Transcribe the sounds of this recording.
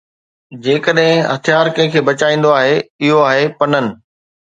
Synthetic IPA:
d͡ʑeːkəɗɦɪ̃ɦɐt̪ʰijaːɾkɐ̃ɦɪ̃kʰeːbɐt͡ɕaːĩːn̆d̪oaːɦeɪɦoaːɦepɐnənɪ̆

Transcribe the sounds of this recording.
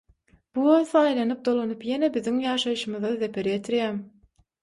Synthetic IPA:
b̥uoθɑjlˠɑnɯp̚d̪o̞lˠonupje̞nebiðiŋjɑːʃɑjɯʃɯmɯðɑðepʰeɾjet̪ʰiɾjæːm

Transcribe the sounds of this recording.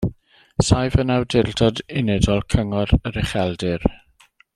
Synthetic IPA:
sajvənawdɪldɔdɪnɛdɔlˠkʰəŋɔɾəɾɪχɛlˠdɪɾ

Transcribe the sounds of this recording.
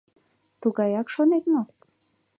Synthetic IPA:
t̪uɣɑjɑkʃonet̪̚mok̚

